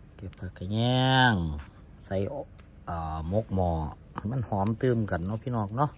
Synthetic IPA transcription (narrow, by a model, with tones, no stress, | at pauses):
ke˧˩p̚ka˧˩ka˧˩ɲɛː˧ŋ | sa˧˩j | ʔaː˨˩mo˧˥k̚mɔː˧˦˧ | ma˧˥˨nhɔː˨˦mt̪ɯː˧˩mka˨nːɔ˧pʰi˧˥nɔː˧˩k̚nɔ˧˥˨ʔ